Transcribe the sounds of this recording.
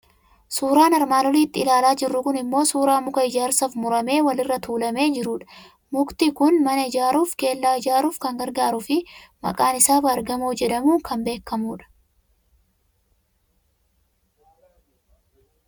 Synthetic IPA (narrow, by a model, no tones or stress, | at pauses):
suːɾaːnɐɾmaːlɔliːt̪ːɪːɪlaːlaːd͡ʒɪrːʊkʊnɪmːo̞ːsuːɾaːmʊkɐɪd͡ʒaːɾsɐfmʊɾɐme̞ːwɐlɪrːɐt̪uːlɐme̞ːd͡ʒɪɾuːᶑɐ̥ | mʊkt̪ɪkʊnmɐnɐɪd͡ʒaːɾuːfke̞ːlːaːɪd͡ʒaːɾuːfkɐŋɡɐɾɡaːɾʊfɪmɐ̰kʼaːnɪsaːfɐːɾɡɐmuːd͡ʒɛᶑɐmuːŋkɐmbe̞ːkːɐmuːᶑɐ̥